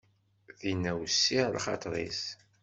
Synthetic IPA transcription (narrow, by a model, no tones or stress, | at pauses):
ðinːæwsːilχɑ̰t̪ˤɾˤḭs